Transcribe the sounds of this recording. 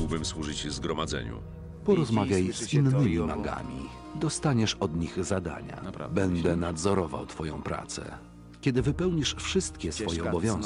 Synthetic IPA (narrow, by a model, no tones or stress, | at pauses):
wbɘmswuʐɘt͡ɕzɡɾɔmad̪zɛ̰ɲṵ | pɔɾɔzmavʲjajszinːɘmʲimaɡa̰mʲḭ | d̪ɔst̪aɲɛʂɔd̪ɲiɣzad̪a̰ɲa̰bɛnd̪ɛnad̪zɔɾɔva̰wt̪fɔjɔ̰̃w̃pɾa̰t̪sɛ̰ | kʲɛd̪ɘvɘpɛwɲiʂfʂɘst̪kʲɛsfɔjɛɔbɔvʲjɔ̃w̃